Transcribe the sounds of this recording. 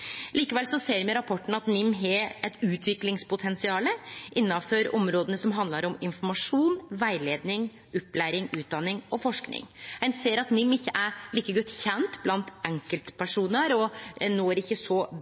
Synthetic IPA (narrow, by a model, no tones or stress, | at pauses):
liːkəʋɛlsɔseːɾmɛɾɑpʰɔʈːɳ̩ɑt̪nɪmːɦeɛt̪ʉːt̪ʰʋɪklɪŋspʊt̪ʰɛnsɪɑːləʔɪnːɑføɾɔ̰mɾoːd̪ənəsɔmɦɑnd̪lɑɾɔmɪnfɔɾmɑʂuːnʋæɪleːd̪nɪŋ | ʔʊpːlæːɾɪŋʉːt̪̚d̪ɑnːɪŋɔfɔʂknɪ̰ŋhænseːɾɑt̪nɪmːɪçːəʔæɾɭiːkəɡɔt̪ːçɛnt̪blɑnt̪ʔɛŋkəlt̪pʰæʂuːnəɾɔnoːæɾɪçːəsɔ